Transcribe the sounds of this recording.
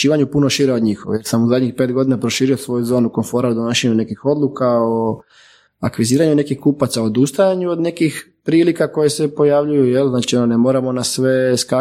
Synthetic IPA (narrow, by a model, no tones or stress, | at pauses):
iːʋaɲupuno̞ʃiɾeod̪ɲixo̰jeɾsamuzad̪ɲixpeːt̪̚ɡo̞d̪inapɾo̞ʃiːɾiosʋo̞juzo̞ːnuko̞nfo̞ɾaod̪onoʃeɲune̞kixo̞d̪lˠukao | akʋiziːɾaɲune̞kixkupat̪saod̪ust̪ajaɲuod̪ne̞kixpɾiːlikako̞je̞se̞po̞jaʋʎujujelznaːt͡ʃiononemo̞ɾamo̞nasʋe̞ska